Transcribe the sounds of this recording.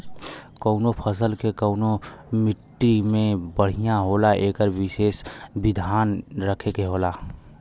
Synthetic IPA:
kəʊnopʰəs̬əlkekəʊnomɪʈːimẽbəɽ̤ijaɦoːlaʔeːkəɾwɪʃeːsbɪd̪ʱaːnɾəkʰekeɦoːlaː

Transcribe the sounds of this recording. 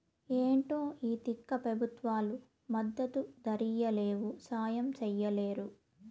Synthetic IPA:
eːɳʈo̞ːiːt̪ikːɐpɾɐbʱut̪ʋaːlu | mɐd̪ːɐt̪ud̪ɐɾijɐle̞ːwusaːjɐmt͡ʃɛjːɐle̞ːɾu

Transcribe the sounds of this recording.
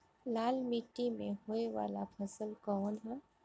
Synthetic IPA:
laːlmiʈːimẽɦoːeʋa̰ːlapʰəsəlkɔːnɦɛː

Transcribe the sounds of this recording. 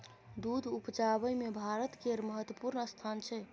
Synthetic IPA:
d̪ud̪ʱupd͡ʒabəjmebʱaɾət̪keɾməɦət̪wəpuɾnəst̪ʰant͡ʃʰɛ

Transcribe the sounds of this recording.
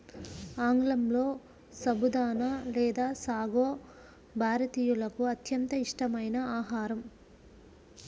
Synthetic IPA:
aːŋɡlɐmlo̞ː | sɐbud̪aːnɐlɛːd̪aːsaːɡoː | bʱaːɾɐt̪iːjulɐkuɐt̪jɐnt̪ɐiʂʈɐmɐjnɐaːɦaːɾɐm

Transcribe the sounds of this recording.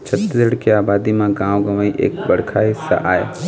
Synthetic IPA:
t͡ʃʰət̪ːəɽkeaːbaːd̪imãɡãːʋɡəməiʔḛːk̚bəɽ̤kʰaɦɪsːa̰ʔaːḛ

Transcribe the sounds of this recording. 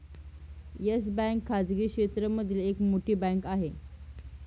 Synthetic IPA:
jəsbæ̃ŋkʰːad͡zɡiːkɕet̪ɾəməd̪ʱilekmoʈiːbæ̃ŋkaɦe

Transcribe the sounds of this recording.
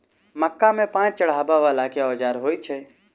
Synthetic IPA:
məkːamẽpãːt͡ʃt͡ʃəɽ̤aːbaʋaːlakeɔːd͡ʒaːɾɦoːit͡ʃʰɛ

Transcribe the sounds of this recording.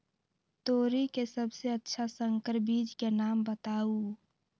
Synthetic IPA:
t̪oːɾikesəbseətːʃʰasəŋkəɾbiːd͡ʒkenaːmbət̪aːu

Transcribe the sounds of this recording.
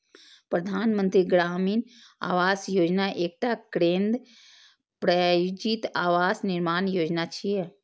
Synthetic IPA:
pɾəd̪ʱaːnmə̃nt̪ɾiɡɾaːmiːn | a̰ːʋaːsjoːd͡ʒnaʔeːk̚ʈakɾẽːnd̪ | pɾajud͡ʒit̪aːʋaːsnɪɾmaːnjoːd͡ʒnat͡ʃʰiɛ

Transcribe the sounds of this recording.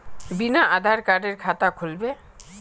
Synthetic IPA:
binaʔad̪ʱaɾkaɖeɾkʰat̪akʰolbe

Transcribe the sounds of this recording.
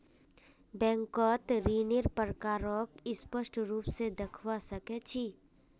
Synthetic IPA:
bɛ̃ːŋkɔːt̪ɾiːnɪɾpəɾkaːɾɔːkɪspəʃʈɾuːpsed̪ɐkʰwasɐket͡ʃʰi

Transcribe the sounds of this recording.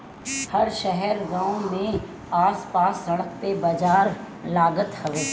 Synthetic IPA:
hɐɾʃɛɦɛɾɡãːõmẽ | aːspaːsːɐɽ̃ək̚pebɐd͡ʒaːɾ | laːɡət̪hɐʋeː

